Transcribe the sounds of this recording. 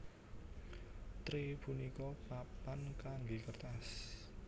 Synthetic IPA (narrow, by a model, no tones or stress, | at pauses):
t̪ɾipunikɔpapankaŋɡekərt̪as